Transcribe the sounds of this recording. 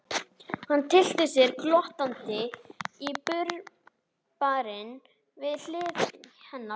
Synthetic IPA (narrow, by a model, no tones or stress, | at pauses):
hanːt̪ʰɪl̥t̪ɪsjɛɾklɔht̪ant̪ɪipʏɾ | paɾɪn | vɪðl̥ɪːvhɛnːa